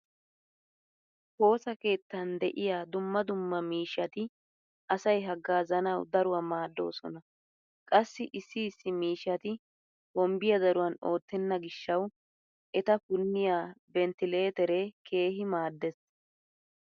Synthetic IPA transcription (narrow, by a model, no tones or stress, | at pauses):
ho̞ːsɐke̞ːt̪ːɐnd̪ɛʔɪjaːd̪ʊmːɐd̪ʊmːɐmiːʃːɐt̪ɪ | ʔɐsɐjɦɐɡːaːzɐnɐwd̪ɐɾʊwɐmaːd̪ːo̞̰ːsɔ̰nɐ | kʼɐsːɪʔɪsːiːsːɪmiːʃːɐt̪ɪ | bɔmbɪjɐd̪ɐɾʊwɐno̞ːt̪ːɛnːɐɡɪʃːɐw | ʔɛt̪ɐfʊnːɪjaːbɛnt̪ɪle̞ːt̪ɛɾekʰe̞ːɦɪmaːd̪ːɛs